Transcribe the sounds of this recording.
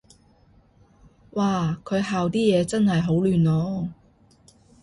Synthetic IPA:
waː˨kʰɵ˨˧ɥɦaː˨wt̪iː˥jɛː˨˧t͡sɐ˥nɦɐ˨jɦo˨˥wlyː˨˩nɔː˨˧˥

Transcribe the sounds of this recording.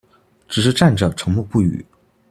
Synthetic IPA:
ʈ͡ʂɻ̩˨˩ʂ̬ɻ̩˥˧ʈ͡ʂa˥˩nʈ͡ʂə˨˩ʈ͡ʂʰɤ˧˥ŋmu˥˧pu˥˩y̰˨˩˦

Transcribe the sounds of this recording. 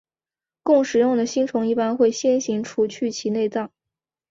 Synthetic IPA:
kʊ˥˩ŋʂɻ̩˨˩˦jʊ˥˩ŋd̪ə˩ɕi˥ŋʈ͡ʂʰʊ˧˥ŋi˥˩pa˥nxwe˥˩ɪɕjɛ˥nɕi˧˥ŋʈ͡ʂʰu˧˥t͡ɕʰy˥˩t͡ɕʰi˧˥ne˥˧ɪt͡sɑ˥˩ŋ

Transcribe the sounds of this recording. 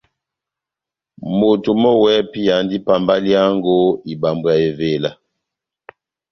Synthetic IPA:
mo˨tu˨mɔ˦wɛ˦pi˦ja˨ndi˦pa˨mba˦lja˦ŋɡo˦i˨ba˨mbwa˨e˨ve˨la˨

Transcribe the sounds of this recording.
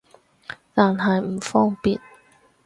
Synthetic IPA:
t̪aː˨nɦɐ˨jm̩˨˩fɔː˥ŋpiː˨n

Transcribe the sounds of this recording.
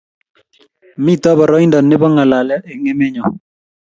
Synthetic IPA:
mi˦t̪ɔ˦bɔ˨ɾɔ˦i˦ndɔ˨nːɪ˦bɔ˦ŋa˨la˨lɛ˦ʔe˨ŋe˦mɛ˦ɲɔ˨

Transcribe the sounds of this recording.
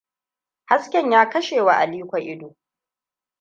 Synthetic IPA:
ha˦skʲɛ˨ɲjaː˦kɐ˦ʃeː˨wa˨ʔa˨liː˦kʷa˨ʔɪ˦do˨

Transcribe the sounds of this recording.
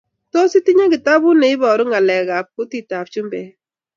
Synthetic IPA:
to˦si˦ti˦ɲe˦ki˨ta˦bu˦ne˨i˦bɔ˨ɾʊ˦ŋa˨lɛ˨ɣa˨p̚ku˦ti˦˨ta˨p̚t͡ʃu˦mbɛ˨

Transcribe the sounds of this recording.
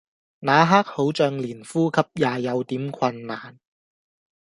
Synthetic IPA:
naː˨˥ɦaː˥k̚ho˨˥wt͡ʃœː˧ŋliː˨˩nfuː˥kʰɐ˨p̚jaː˨˩jɐ˨˧wt̪iː˨˥mkʰɐ˧nːaː˨˩n

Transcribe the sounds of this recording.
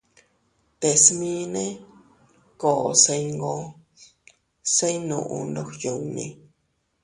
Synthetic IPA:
t̪e˨smĩ˦nẽ˦ | koː˨se˧jŋɡo˦ | se˦jnũ˧˨ʔṵ̃˧nd̪o˦xju˨wnḭ̃˧

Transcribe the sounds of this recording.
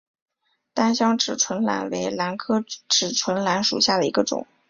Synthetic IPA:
t̪a˥nɕjɑ˥ŋʈ͡ʂɻ̩˨˩ʈ͡ʂʰwə˧˥nla̰˧˥nwe˧˥ɪla˧˥nkʰɤ˥ʈ͡ʂɻ̩˨˩ʈ͡ʂʰwə˧˥nla˧˥nʂṵ˨˩ɕja˥˩d̪ə˩i˧˥ɡə˧ʈ͡ʂʊ̰˨˩˦ŋ

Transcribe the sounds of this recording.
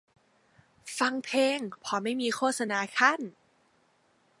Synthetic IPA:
fa˧ŋpʰeː˧ŋpʰɔː˨˧˦ma˥˩jmiː˧kʰoː˥˩t̪̚sa˧naː˧˥kʰa˥˩n

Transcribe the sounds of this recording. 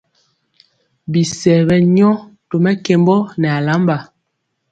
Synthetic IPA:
bi˨sɛ˨bɛ˦ɲɔ˦to˨mɛ˦ke˨mbɔ˦nɛ˨a˨la˨˦mba˨

